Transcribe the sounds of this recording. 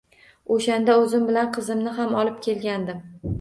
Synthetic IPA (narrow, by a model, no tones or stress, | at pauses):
oʃand̪aɵzɪmbɪlanqʰɨzɪmnɪɦamɒlɪp̚kʲʰe̞lɡʲand̪ɪm